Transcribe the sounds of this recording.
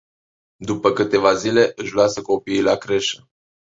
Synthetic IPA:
d̪upəkɨt̪e̞vazile̞ʔɨʃlasəko̞piːlakɾe̞ʃə

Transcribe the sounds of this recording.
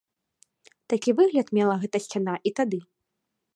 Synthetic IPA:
t̪akʲivɨɣlʲɐt̪mʲɛlˠɐɣɛt̪ɐsʲt͡sʲanaʔit̪ad̪ɨ

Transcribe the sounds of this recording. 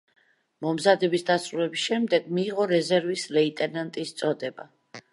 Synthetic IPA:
mɔmzad̪ɛbisd̪asɾulɛbisʃɛmd̪ɛɡ̥miːʁɔɾɛzɛɾvislɛit̪ʼɛnant̪ʼist̪sʼɔd̪ɛba

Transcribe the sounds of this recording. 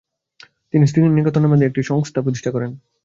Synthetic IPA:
t̪inist̪ininikat̪onaɾmad̪ʱeek̚ʈiʃɔŋst̪ʰapɾot̪̬iʃʈʰakɔɾen

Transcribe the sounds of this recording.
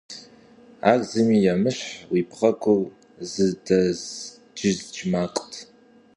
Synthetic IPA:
a̰ːɡzɨmiːjamɨɕħwiːpχɐkʷʰʊw | zɨdɐz | d͡ʒɪzd͡ʒʼmaːqʷʼtʰ

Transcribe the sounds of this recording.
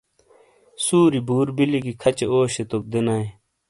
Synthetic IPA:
suːɾibʱuːɾbiliɡikʰɐt͡ɕeoːɕet̪ok̚d̪enaːe

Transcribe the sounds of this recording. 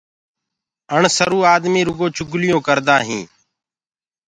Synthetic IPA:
əɳsəɾuːaːd̪miːɾʊɡõːt͡ʃʰʊɡlɪjõːkəɾd̪ãːɦĩː

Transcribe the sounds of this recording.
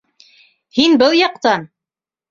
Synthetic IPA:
hinbɤlˠjɑqt̪ɑn

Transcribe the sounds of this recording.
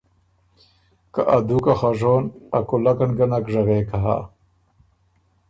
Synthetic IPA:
kaʔad̪ukaxaʐoːnakulakanɡanakʐaɣeːkaɦa̰

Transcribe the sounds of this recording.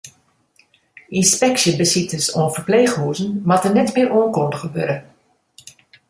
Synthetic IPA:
inspɛksjəbəsitəsoənfərpleːxhuːzənmatənɛtmɪːroənkondəxəbøːɾə

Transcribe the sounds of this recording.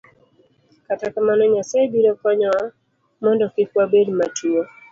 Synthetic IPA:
katakamanɔɲasabiɾɔkwaɲɔwa | mɔndɔkɪkwabedmatʰuɔ

